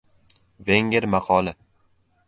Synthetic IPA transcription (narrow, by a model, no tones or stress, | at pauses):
veŋɡʲɪɾmaqʰɒlɪ